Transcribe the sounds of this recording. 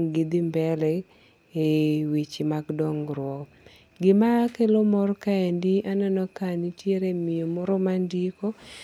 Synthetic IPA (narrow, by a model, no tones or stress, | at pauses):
ŋɡɪd̪ɪmbɛlɛ | ewit͡ʃimaɡdɔŋɾwɔ | ɡɪmakelomɔrkaendiʔanɛnɔkanitjeɾemijomɔɾɔmandiko